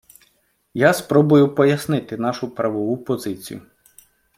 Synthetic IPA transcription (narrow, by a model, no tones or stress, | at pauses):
jaspɾɔbʊjʊpɔjɐsnɪt̪ɪnɑʃʊpɾɐʋɔʋʊpɔzɪt͡sʲḭjʊ̰